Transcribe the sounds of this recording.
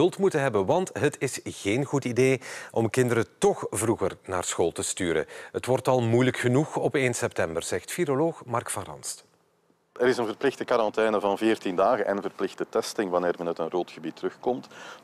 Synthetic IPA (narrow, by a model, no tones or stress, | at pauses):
ɵlˠtmutənɦɛbəʋɑntɦətɪsɣ̥eːnɣutideːʔɔmkɪndəɾətɔxvruɣərna̰ːrsxoːlˠtəstyːɾə̰ɦətʋɔrtɑlˠmujləkxənuxɔpeːnsɛp̚tɛmbərz̥ɛxtfiloloːxmɑrkfɑnrɑ̰nst | əɾɪsənvərplɪxtəkaɾɑntɛːnəvɑnvɪːrtindaːɣənʔɛnənvərplɪxtətɛstɪŋʋɑnɪːrmɛnətənroːtxəbitərɵxkɔmt